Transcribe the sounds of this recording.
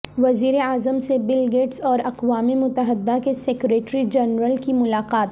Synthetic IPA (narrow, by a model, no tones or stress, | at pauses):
ʋɐziːɾeaːzəmsebɪlɡeːʈsɔːɾɐqʋaːmemʊt̪əɦəd̪ːakeseːkɾeːʈɾid͡ʒɛnɾəlkimʊlaːqaːt̪